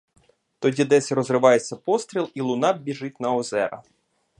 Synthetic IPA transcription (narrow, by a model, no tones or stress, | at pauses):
t̪ɔdʲid̪ɛsʲɾɔzrɪʋɑjet͡sʲːɐpɔst̪ɾʲilˠilˠʊnɑbʲiʒɪt̚ʲnɐɔzɛɾɐ̰